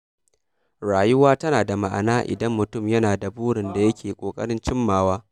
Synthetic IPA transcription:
ɽaː˨jʊ˦waː˦tɐ˦naː˨da˨ma̰˨ʔa̰˨naː˦ʔɪ̰˨dɐ˦mːʊ˨tʊ˦˨mjɐ˦naː˨da˨buː˦ɽɪ˨nda˨jɐ˦kʲʰeː˨kʷʼoː˨kʼɐ̰˦ɽɪ˦nt͡ʃɪ˦mːaː˦waː˦

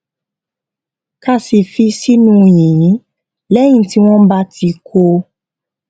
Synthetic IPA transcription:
ka˦si˧˨fi˧si˦nũ˦˨j̃ĩ˨˦ | lɛ˦j̃ĩ˦ti˦w̃ɔ̃˦ba˦ti˧kʰo˧

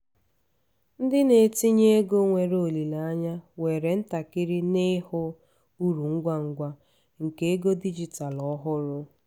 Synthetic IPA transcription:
n̩˦dɪ˦ne˨ti˦ɲe˦e˦ɡo˦ŋʷe˨ɾo˦o˨li˨la˨a˦ɲa˦we˨ɾe˨n̩˦ta˨kɪ˦ɾɪ˦nɪ˦hʊ˦ | u˦ɾu˨ŋ̩˦ɡʷa˦ŋ̩˦ɡʷa˦ | ŋ̩˨ke˦e˦ɡo˦di˦d͡ʒi˨ta˨lɔ˦ɦʊ˦ɾʊ˦

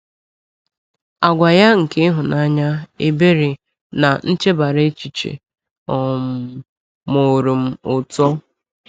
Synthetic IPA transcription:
a˨ɡʷa˨ja˦ŋ̩˨ke˦ɦʊ˨na˦ɲa˦e˦be˦ɾi˨ | na˨n̩˦t͡ʃe˦ba˨ɾe˦t͡ʃi˨t͡ʃḛ˨ | ɔ˨m˨ | mo˨ɾu˨m̩˦ʊ˨tɔ˦

